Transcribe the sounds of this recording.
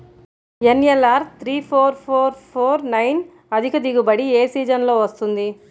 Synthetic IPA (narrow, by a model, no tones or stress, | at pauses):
enjelːaːɾt̪ʰɾiːpʰoːɾpʰoːɾpʰoːɾnɐjn | ɐd̪ʱikɐd̪iɡubɐɽieːsiːd͡ʒɐnlo̞ːʋɐst̪und̪i